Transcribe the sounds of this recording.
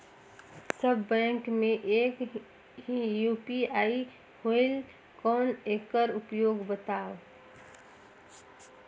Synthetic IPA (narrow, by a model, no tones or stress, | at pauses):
səbːɛ̃ːŋkmẽʔeːk | ɦijuːpiaːi | hoɪl | kɔːneːkəɾʊpjoːɡbət̪aːo